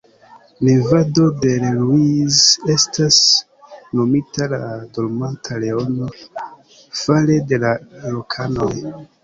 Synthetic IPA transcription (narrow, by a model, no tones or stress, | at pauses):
nivado̞de̞lluize̞stas | no̞mitaladolmantʰale̞ono̞ | falede̞laɾokʰano̞j